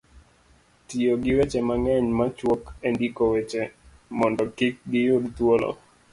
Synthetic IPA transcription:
tioɡɪwɛt͡ʃɛmaŋɛɲmat͡ʃwɔkɛndikowɛt͡ʃe | mɔndɔkɪk̚ɡɪjodt̪wolɔ̰

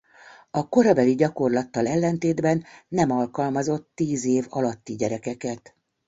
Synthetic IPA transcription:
ɒko̞ɾɒbɛliɟɒko̞rlɒt̪ːɒlɛlːɛnt̪eːd̪bɛnːɛmɒlkɒlmɒzo̞t̪ːiːzeːvɒlɒt̪ːiɟɛɾɛkɛkɛt̪

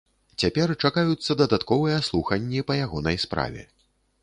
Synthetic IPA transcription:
t͡sʲapʲɛrt͡ʂakajut̪sːɐd̪ɐd̪at̪kɔvɨjɐslˠuxɐnʲːipɐjaɣɔnɐjspɾa̰vʲɛ̰

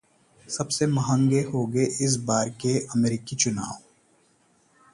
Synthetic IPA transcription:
sɐbsemɐɦə̃ŋɡeɦoːɡeʔɪs̬baːɾkeɐmeːɾiːkit͡ʃʊna̰ːo

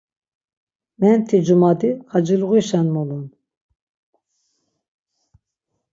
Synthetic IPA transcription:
mɛnt̪ʰid͡ʒumad̪iʁad͡ʒilɣiʃanmɔlun

